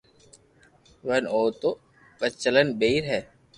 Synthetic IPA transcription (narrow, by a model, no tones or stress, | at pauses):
ʋənoːt̪o | ɓət͡ʃələnbeiɾɦɛː